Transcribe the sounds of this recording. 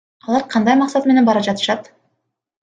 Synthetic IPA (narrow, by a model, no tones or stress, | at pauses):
ɑlˠɑɾqʰɑnd̪ɑjmɑqsɑt̪me̞ne̞nbɑɾɑd͡ʒɑt̪ɯ̥ʃɑt̪